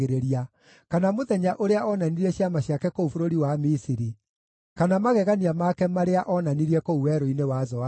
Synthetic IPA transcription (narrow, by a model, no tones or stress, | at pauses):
eɾeɾia | kanamoðɛɲaʔoɾeaɔnaniɾiɛɕjamaɕjakɛkoufoɾoɾiwamisiɾi | kanamaɣɛɣaniamakɛmaɾeaʔɔnaniɾiɛkouwɛɾoinewazɔa